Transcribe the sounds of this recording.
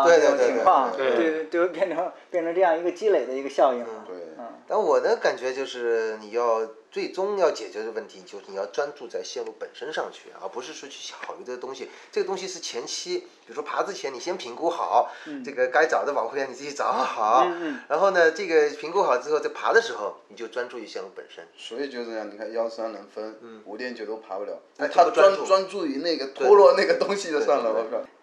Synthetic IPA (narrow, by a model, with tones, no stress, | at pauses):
we˥˧ɪt̪we˥˧t̪we˥˧˥t̪wa˥˩˧e˥˧˩e˥˧t̪we˥˧wpjɛ˥˩nʈ͡ʂʰŋpjɛ˥˩nʈ͡ʂʰə˧˥ʈ͡ʂɤ˥˧jɑ˥˩ŋi˧˥ɡə˧t͡ɕi˥le˨˩ɪd̪ə˦i˧˥ɡə˧ɕjɑ˥˧ʊi˥˩ŋn̩˥˩˧t̪a˥˩nwɔ˨˩d̪ə˦ka˨˩nt͡ɕɥɛ˧˥t͡ɕjo˥˧ʊʂɻ̩˥˩ni˨˩jɑ˥˧ʊt͡swe˥˩ɪʈ͡ʂʊ˥ŋjɑ˥˩ʊt͡ɕjɛ˨˩t͡ɕɥɛ˧˥ʈ͡ʂə˥˧ə˧wə˥˩nt̪ʰi˧˥t͡ɕjo˥˧ʂɻ̩˥˩i˨˩jɑ˥˩ʊʈ͡ʂwa˥nt͡su˥˧t͡sa˥˧ɪɕjɛ˥˧nwu˥˩pə˨˩nʂə˥nʂɑ˥˧ŋt͡ɕʰy̰˥˩ɐ̰˧˩pu˧˥ʂɻ̩˥˧ʂɔ˥t͡ɕʰy˥˩ɕjɑ˧˩xɑ˨˩y˧˥ʈ͡ʂɤ˥˧˩t̪ʊ˥ŋɕi˨ | ʈ͡ʂɤ˥˩ɡə˩t̪ʊ˥ŋɕ̬i˧ʂɻ̩˥˩t͡ɕʰjɛ˧˥nt͡ɕʰi˥pʰi˨˩u˧˥ʂwɔ˥pʰa˧˥t͡sɹ̩˥˩t͡ɕʰjɛ˧˥ni˨˩ɕjɛ˥npʰi˧˥ŋku˥xɑ˨˩˦ʊʈ͡ʂɤ˥˩ɡə˩ka˥ɪt͡sɑ˨˩d̪ə˧wɑ˨˩ŋkʰxljni˨˩t͡sɹ̩˥˩t͡ɕi˧˥t͡sɑ˨˩˦xɑ˨˩˦ʊɻa˧˥nxo˥˩ʊnə˩ʈ͡ʂɤ˥˩ɡə˩pʰi˧˥ŋku˥xɑ˨˩ʊʈ͡ʂɻ̩˥xo˥˧ʊt͡sa˥˩ɪpʰa̰˧˥d̪ə˧ʂɻ̩˧˥xo˥˩ʊni˨˩t͡ɕjo˥˩ʊʈ͡ʂwa˥nʈ͡ʂu˥˧˩ɕjɛ˥˧nmu˧˩pə̰˨˩nʂə̰˥nswɔ˧˥i˨˩t͡ɕjo˥˧ʊ˥˧jɑ˥˩ŋni˨˩kʰa˥˩njɑ˥ʊsʰa˥nə˧˥ŋfə˥n̩˥˩u˧˥ljɛ˥˧nt͡ɕjo˥˧ʊt̪o˥ʊpʰa˧˥pu˧˥ljɑ̰˧˩˦ʊ˥˩t̪ʰa˥a˥n˧t͡swa˥nʈ͡ʂu˥˩i˧˥na˥˩ɪɡə˩t̪ʰɔ˥lwɔ˥˧na˥˩ɡə˩t̪ʊ˥ŋɕi˨˧jo˥˧sɑ˥˩ŋlə˨˩ɔ˧˥a˥˧˩